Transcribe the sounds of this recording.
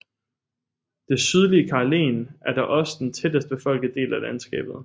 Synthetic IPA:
d̥e̝syð̞ˠliəkʰɑ̈le̝̰ːnʔæɐd̥ɑ̈ʔɒ̽sə̥d̥ent͡sʰed̥əsd̥əb̥efɒ̽l̰ɡ̥ðˠd̥e̝̰ːlælænsɡ̥ɛ̰ːb̥ð̞̩ˠ

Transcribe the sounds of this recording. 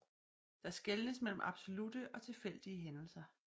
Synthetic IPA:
d̥ɑ̈sɡ̥elnəsmel̰m̩ʔɑ̈b̥so̝lud̥əʔɒ̽t͡sʰe̝fel̰d̥iəɦenl̩sɐ

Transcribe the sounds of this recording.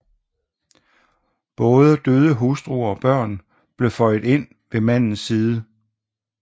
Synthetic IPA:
b̥ɔːð̞ˠəd̥øːð̞ˠəɦusd̥ʁuɒ̽b̥ɶɐ̰n | b̥le̝fɒɪð̩ˠe̝n̰ | ʋe̝mæn̰n̩sːiːð̞ˠə

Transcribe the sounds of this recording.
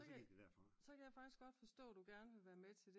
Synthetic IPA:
sɒkʰæɐ̰fɒsɒ̽kʰæjɑfɑ̈ɡ̥isɡ̥ɒ̽d̥fɒ̽sd̥ɔ̰ːæd̥uɡ̥æɐnəʋe̝ʋæːɐmet͡sʰe̝ld̥e̝

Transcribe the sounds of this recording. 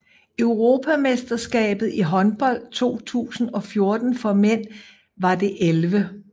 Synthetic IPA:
øʊʁo̝ːpʰæmesd̥ɐsɡ̥ɛ̰ːb̥ð̞̩ˠiɦɒ̽nb̥ɒ̽l̰d̥t͡sʰo̝̰ːt͡sʰṵːsn̩ɒ̽fjo̝ɐd̥n̩fɒ̽men̰ | ʋɑ̈de̝ʔelʋə

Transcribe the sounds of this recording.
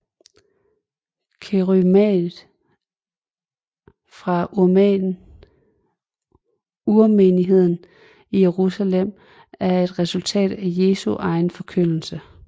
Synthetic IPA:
kʰeʁymɛð̩ˠ | fʁɑ̈ | umeniɦe̝ð̞̰ˠn̩ | ije̝ʁusælem̰ | æɐe̝d̥ʁɛsult͡sʰɛ̰ːd̥æje̝ːsuʔɑ̈ɪn̩fɒ̽kʰøn̰l̩sə

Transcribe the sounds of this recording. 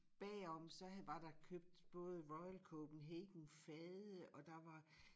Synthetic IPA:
b̥ɛ̰ːɒ̽msɒ̽ʋɑ̈d̥ɑ̈kʰøb̥̚d̥b̥ɔ̽ːð̞ˠʁɒ̽ɪlkʰɔːb̥n̩ɦeːɡ̥n̩fɛðˠəʔɒ̽d̥ɑ̈ʋɑ̈

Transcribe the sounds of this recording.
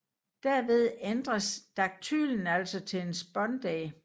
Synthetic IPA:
d̥æɐʋe̝ð̞ˠend̥ʁɐsd̥ɑ̈ɡ̥̚t͡sʰy̰ːln̩æl̰sɒt͡sʰe̝le̝nsb̥ɒ̽nd̥ɛ̰ː

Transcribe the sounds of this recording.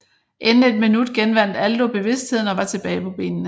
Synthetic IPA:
ʔenn̩e̝d̥minud̥ɡ̥enʋæn̰d̥æld̥o̝b̥e̝ʋe̝sd̥he̝ð̞̰ˠn̩ɒ̽ʋɑ̈t͡sʰe̝b̥ɛːɪpʰɒ̽b̥e̝̰ːnnə

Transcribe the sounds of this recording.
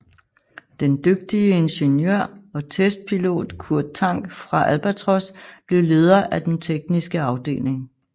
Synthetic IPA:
d̥end̥øɡ̥̚d̥iəe̝nɕenjø̰ɐ̰ɒ̽t͡sʰesd̥̚pʰilo̝̰ːd̥kʰuɐ̰d̥̚t͡sʰɑ̈ŋ̰ɡ̥fʁɑ̈ʔælb̥æt͡sʰʁɒsb̥le̝ʊle̝ːð̞ˠɐʔæd̥ent͡sʰeɡ̥nisɡ̥əɑ̈ʊd̥e̝̰ːle̝ŋ

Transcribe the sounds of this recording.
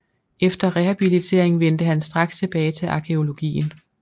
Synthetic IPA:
ʔefd̥ɐʁɛhæb̥ilit͡sʰe̝ɐeŋʋen̰d̥əɦænsd̥ʁɑ̈ɡ̥st͡sʰe̝b̥ɛːɪt͡sʰe̝lʔɑ̈kʰe̝o̝lo̝ɡ̥ḭːn̩

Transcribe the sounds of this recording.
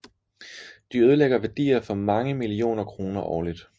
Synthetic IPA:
d̥iøð̞ˠəleɡ̥ɐʋæɐd̥ḭːɐfɒ̽mɑ̈ŋəmilio̝̰ːnɐkʰʁo̝ːnɐʔɒ̰ːlid̥

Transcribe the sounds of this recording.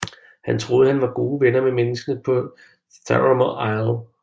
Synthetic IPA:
hænt͡sʰʁo̝ːð̞ˠhænʋɑ̈ɡ̥oːʋenɐmemenəsɡ̥ənəpʰɒ̽ | sʰæ̰ɹɐmoɑɪlˠ

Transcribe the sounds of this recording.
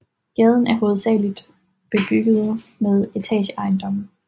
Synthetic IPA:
ɡ̥ɛːð̞ˠn̩æɐɦo̝ːð̩ˠsɛ̰ːlid̥ | b̥e̝b̥yɡ̥əð̞̩ˠmeðˠe̝t͡sʰɛ̰ːɕəʔɑ̈ɪnd̥ɒ̽m̰n̩

